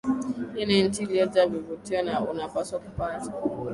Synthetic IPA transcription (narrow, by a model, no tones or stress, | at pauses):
inen̩tiliɛd͡ʒavivutiwanaunapaswakupaːta